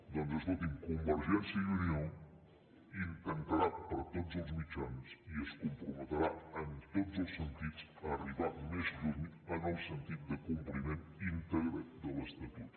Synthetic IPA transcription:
d̪onzəsnot̪iŋkumbəɾʒɛnsjəiunjon | iŋk̪əŋkəɾat̪̚pəɾt̪ozəlˠzmit͡ʃansiəskumpɾumət̪əɾaənt̪ozəlˠsːənt̪it͡s | əːriβamezd̪uɾmiənəlˠsənt̪it̪̚d̪əkumplimenint̪əɣɾəd̪ələst̪ət̪ut̪

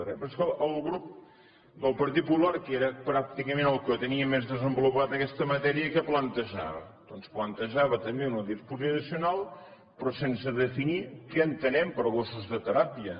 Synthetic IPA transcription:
ɾɛpɾskəəlˠɣɾup̚ | d̪əlˠpəɾt̪̬it̪̚pulaɾkeɾəpɾak̚t̪ikəmẽnəlˠkət̪əniəmezðəzəmbulupat̪əkɛst̪əmət̪ɛɾiəkəplənt̪əʒa̰βə̰ | d̪̥ɔnsplənt̪əʒaβət̪əmbeunəðispuzinəsiunalˠ | pɾɔsensəðəfinikɛənt̪ənɛmpəɾɣosuzðət̪əɾapiə

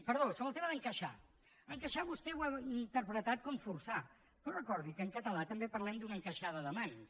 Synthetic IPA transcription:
pəɾðosoβəlˠt̪eməðəŋkəʃa̰ | əŋkəʃaβust̪ɛwaint̪əɾpɾət̪at̪̚kɔmfursa | porəkɔɾðikəːŋkət̪əlat̪əmbepəɾlɛmd̪unəŋkəʃaðəðəmans

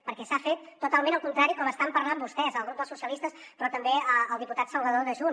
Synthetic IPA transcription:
pəɾkɛsafet̪ːut̪alˠmẽnəlˠkunt̪ɾaɾikɔməst̪ampəɾlambust̪ɛzəlˠɣɾup̚d̪əlˠsusiəlist̪əs | pɾɔt̪əmbeəəlˠd̪iput̪at̪səlˠβəðoðəʒu

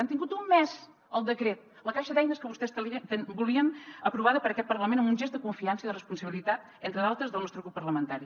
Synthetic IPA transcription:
ant̪iŋɡut̪umːɛz | əlˠd̪əkɾet̪̚ | ləkaʃəðɛjnəskəβust̪ɛst̪əliəbuliənəpɾuβaðəpəɾəkɛt̪̚pəɾləmenəmbunʲʒɛzəkuɱfiansəiðərəspunsəβilit̪at̪̚ | ent̪ɾəðalˠt̪ɾəzðəlˠnɔst̪ɾuɣɾupːərləmənt̪aɾi

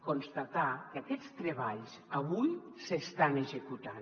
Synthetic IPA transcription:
konst̪at̪akakɛt͡st̪ɾeβ̞aʎsaβuj | sest̪aneʒekut̪an

